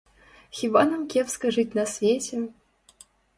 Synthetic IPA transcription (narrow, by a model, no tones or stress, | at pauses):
xʲivanɐmkʲɛpskɐʐɨt͡sʲnɐsʲvʲet͡sʲɛ